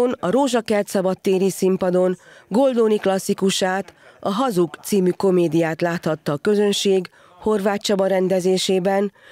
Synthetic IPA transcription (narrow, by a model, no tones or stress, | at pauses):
onɒɾoːʒɒkɛrt̪sɒbɒt̪ːeːɾisimpɒd̪o̞nɡo̞ld̪oːniklɒsːikuʃaːt̪ɒɦɒzukt̪siːmyko̞meːd̪ijaːt̪laːt̪hɒt̪ːɒːkø̞zø̞nʃeːɡ | ho̞rvaːtt͡ʃɒbɒɾɛnd̪ɛzeːʃeːbɛn